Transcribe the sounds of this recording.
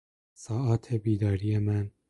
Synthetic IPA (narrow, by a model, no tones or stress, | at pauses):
sɒːʔɒːt̪ʰe̞biːd̪ɒːɾijemæn